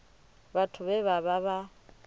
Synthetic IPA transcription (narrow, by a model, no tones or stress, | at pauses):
batʰʊβɛβaβaβa